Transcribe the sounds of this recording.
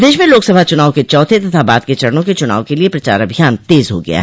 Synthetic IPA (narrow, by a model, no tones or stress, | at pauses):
d̪eːʃmẽloːksɐbʱat͡ʃʊnaːwket͡ʃɔːt̪ʰet̪ɐt̪ʰabaːd̪̚ket͡ʃɐɽnõket͡ʃʊna̰ːʋõkeliepɾɐt͡ʃa̰ːɾɐbʱijaːnt̪eːzɦo̰ɡɐ̰ja̰ɦɛ